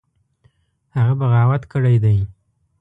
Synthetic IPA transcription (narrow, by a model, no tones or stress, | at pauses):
haɣabaɣɑwat̪kəɽajd̪aj